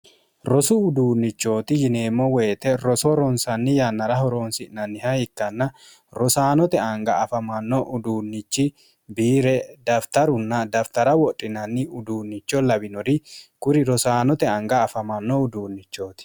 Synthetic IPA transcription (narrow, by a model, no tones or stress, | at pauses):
ɾɔsʊʊd̪uːnːɪt͡ʃːo̞ːt̪ɪjɪne̞ːmːɔweːt̪ɛɾɔsɔɾɔnsɐnːɪjɐnːɐɾɐɦɔɾoːnsɪʔnɐnːɪhɐhɪkːɐnːɐ | ɾɔsaːnɔt̪ɛɐŋɡɐːfɐmɐnːɔʔʊd̪uːnːɪt͡ʃːɪ | biːɾɛd̪ɐft̪ɐɾʊnːɐd̪ɐft̪ɐɾɐwɔtʼːɪnɐnːɪʊd̪uːnːɪt͡ʃːɔlɐbɪnɔɾɪkʊɾɪɾɔsaːnɔt̪ɛɐŋɡɐːfɐmɐnːɔʊd̪uːnːɪt͡ʃːo̞ːt̪ɪ̥